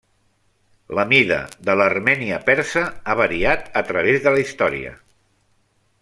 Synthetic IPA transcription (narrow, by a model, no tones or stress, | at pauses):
ləmiðə̰ðələrmɛniəpɛɾsəaβəɾiat̪ət̪ɾəβ̞ezðələist̪ɔɾḭə̰